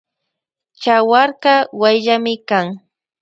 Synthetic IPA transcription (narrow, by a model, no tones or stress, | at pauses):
t͡ʃawaɾɢɑwajʎamɪkaŋ